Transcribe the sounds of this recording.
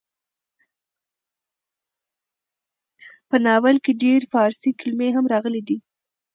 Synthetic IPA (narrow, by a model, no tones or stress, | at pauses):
pənɑwalkeɖeɾfɑɾsikɪlmeɦamɾɑɣəlid̪i